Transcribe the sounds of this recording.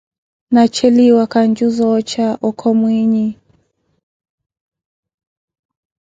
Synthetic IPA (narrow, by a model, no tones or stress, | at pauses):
nat͡ʃɛliwakand͡ʒuzɔt͡ʃaʔɔkʰɔmwiɲi